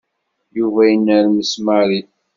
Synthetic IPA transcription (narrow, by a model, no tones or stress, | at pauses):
juvæjənːæɾməsməɾiθ